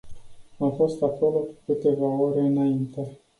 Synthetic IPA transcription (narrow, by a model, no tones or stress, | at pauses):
amfo̞st̪ako̞lo̞kukɨt̪e̞vao̞ɾe̞ɨnaint̪e̞